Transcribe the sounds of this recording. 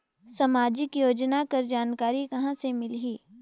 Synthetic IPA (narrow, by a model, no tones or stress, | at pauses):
sɐmaːd͡ʒɪkjoːd͡ʒnakɐɾd͡ʒaːnkaːɾikɐɦãsemɪlɦiː